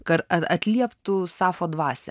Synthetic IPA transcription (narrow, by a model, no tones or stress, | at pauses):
kɐtɐtɐt̪ʲlʲiɛpt̪ʊsɑːfoːd̪ʋɑːsʲɛ